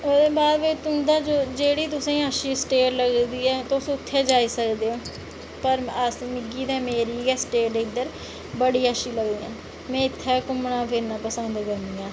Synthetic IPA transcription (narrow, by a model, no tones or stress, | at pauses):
oːd̪eːbaːd̪mẽːt̪ʊnd̪aːd͡ʒoːd͡ʒeːɽiːt̪̬ʊsẽːaːʃiːsʈeːɾləɡd̪iːɛːt̪ʊsʊt̪ʰːɛːd͡ʒaːiːsəkd̪eːõː | pəɾəsmɪɡiːd̪ɛːmeːɾiːɡɛːsʈeːɾd̪eːɪd̪ːəɾ | bəɽiːaːʃiːləɡd̪iːãː | mɛ̃ːɪt̪ʰːɛːkʊmɳãːpʰɪɾnãːpəsənd̪kəɾnd̪iːãː